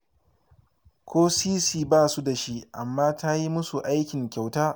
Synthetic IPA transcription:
kʷʰoː˦siː˦siː˦˨baː˦su˦da˨ʃi˦ʔa˨mːaː˦ta˦ji˦mʊ˦su˨ʔa˦jkʲɪ˨ŋkʲa˨wtaː˦

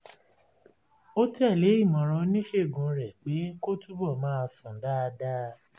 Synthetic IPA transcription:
o˦ti˦ɛ˦˨le˨˦i˦˨mɔ̃˨ɾ̃ɔ̃˧˦nĩ˦ʃe˦˨ɡũ˨˦ɾɛ˨k͡pe˨˦ko˦tu˦bɔ˦˨mãː˦˧sɔ̃˨˦da˦˧da˦

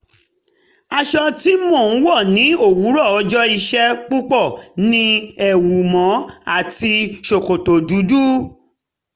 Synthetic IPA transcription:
a˧ʃɔ˧ti˦mo˦˨ñ̩˦wɔ˦˨nĩ˨˦o˦˨wu˨˦ɾɔ˦˨ɔ˧˦d͡ʒɔ˦i˧ʃɛ˦k͡pu˦k͡pɔ˦˨nĩ˧ɛ˨wu˨mɔ̃˨˦a˦˨ti˧ʃo˨ko˨to˨du˨˦du˦

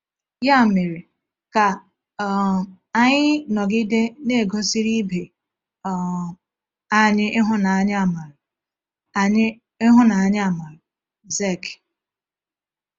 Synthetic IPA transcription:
ja˦˨me˨ɾi˨ | ka˨˦ | a˦ɲɪ˦nɔ˨ɡɪ˦de˦ne˦˨ɡo˦si˦ɾi˦be˨ | ɔ˨ | a˦ɲɪ˦ʔɪ˦ɦʊ˦na˨a˦ɲɪ˦a˨ma˨ɾʊ˨ | a˨ɲɪ˦ | ɪ˦ɦʊ˦na˨a˦ɲɪ˦a˨ma˨ɾʊ˨ | ze˦˨k

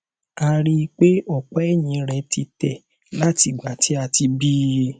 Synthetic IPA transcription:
a˧ɾi˦˧k͡pe˦ɔ˦˨k͡pɔ˦ɛ˦˨j̃ĩ˨˧ɾɛ˨˦ti˧tɛ˨ | la˦ti˧ɡ͡ba˨tʰi˨˦a˧ti˧bi˦˧

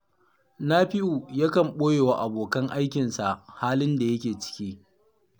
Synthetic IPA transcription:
na˦ɸɪ˦ʔu˨ja˦kɐ˨mɓoː˦jeː˨wa˨ʔa˨boː˨kɐ˦ŋʔa˦jkʲɪ˨nsa˨ʔhaː˦lɪ˦nda˨jɐ˦kʲeː˨t͡ʃɪ̥˦kʲiː˦

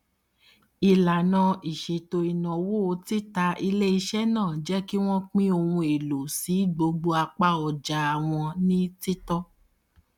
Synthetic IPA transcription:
i˨la˨nã˧i˨ʃe˨to˧i˨nã˨wo˦˧ti˦ta˧i˧le˦i˧ʃɛ˦nãː˦˨d͡ʒɛ˦ki˦w̃ɔ̃˦k͡pĩ˦o˧hũ˧e˨lo˨si˨˦ɡ͡bo˧ɡ͡bo˧a˧k͡pa˦ɔ˨d͡ʒa˨˧a˨w̃ɔ̃˧nĩ˦ti˦tɔ˦

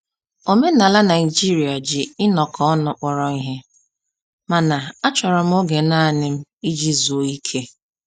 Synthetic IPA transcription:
o˨me˦na˨la˦na˨ɪ˨d͡ʒi˦ɾi˨a˨d͡ʒɪ˨ɪ˦nɔ˨kʰɔ˦ɔ˦nʊ˨k͡pɔ˨ɾɔ˨i˦ɦe˦ | ma˨na˨a˦t͡ʃɔ˨ɾɔ˨m̩˦o˦ɡe˨na˦˨nɪ˦m̩˦i˦d͡ʒi˦zo˨˦i˦kʰe˦

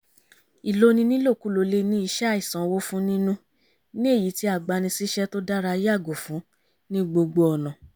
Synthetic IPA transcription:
i˨lo˦nĩ˧nĩ˦lo˦˨ku˨˦lo˧le˧˦nĩ˦i˧ʃɛ˦i˨sã˨˦wo˦fũ˦nĩ˦nũ˦ | nĩ˦e˦˨ji˨˦ti˦a˦˨ɡ͡ba˧nĩ˧si˦ʃɛ˦to˦da˦ɾa˧˦ja˦˨ɡo˨fũ˨˦ | nĩ˦ɡ͡bo˧ɡ͡bo˧ɔ˨nɔ̃˨

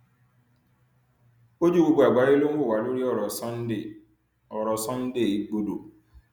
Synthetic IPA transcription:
o˦d͡ʒu˦˨ɡ͡bo˦˧ɡ͡bo˨a˨ɡ͡ba˨˦ɾe˦lo˦n̩˦wo˦˨wa˨˦lo˦ɾi˦ɔ˦˨ɾɔ˨sɔ˦n̩˦e˦˨ | ɔ˨ɾɔ˨sɔ̃˦n̩˦de˦˨i˨˦ɡ͡bo˦do˨

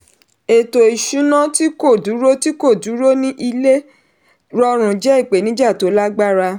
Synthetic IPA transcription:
e˨to˨i˨ʃũ˨˦nã˦ti˦ko˦˨du˨˦ɾo˦ti˦ko˦˨du˨˦ɾo˦nĩ˦ʔi˧le˦ | ɾɔ˧ɾ̃ũ˨d͡ʒɛ˦i˦˨k͡pe˨nĩ˨˦d͡ʒa˦˨to˨˦la˦ɡ͡ba˦ɾa˧

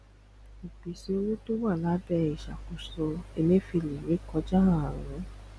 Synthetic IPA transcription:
i˨bi˨si˧o˧wo˦to˦wa˦˨la˨˦bɛ˧i˨ʃa̰˨ko˨˧sɔ˧e˧nẽ˦fi˧li˨we˨˦kɔ˧d͡ʒa˦ã˦˧˨a˨ɾɔ̰̃˨ɾɔ̃˨˦

